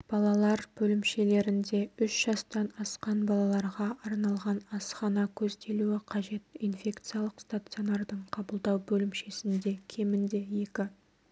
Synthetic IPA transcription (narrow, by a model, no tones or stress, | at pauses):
b̥ɑlˠɑlˠɑɾb̥ɵlɪmʃe̞le̞ɾɪnd̪e̞ʏʃʒ̥ɑst̪ɑnɑsqɑnbɑlˠɑlˠɑɾʁɑʔɑɾnɑlˠʁɑnɑsχɑnɑkʲʰɵzd̪e̞luɪqʰɑʒe̞t̪infʲe̞kt̪sɨjalˠəqst̪at̪sɨjo̞nɑrd̪əɴqʰɑbəlˠd̪ɑwbɵlɪmʃe̞sɪnd̪e̞kʲʰe̞mɪnd̪e̞je̞kʲɪ